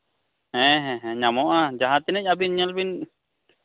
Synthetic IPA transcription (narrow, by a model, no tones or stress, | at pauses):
ɛ̃ɦɛ̃ɦɛ̃ɲamɔʔad͡ʒaɦat̪ːinɛcabinɲalbin